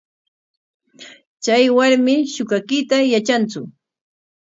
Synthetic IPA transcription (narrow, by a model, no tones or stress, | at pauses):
t͡ʃajwaɾmɪʃʊkakɪt̪ajat͡ʃant͡sʊ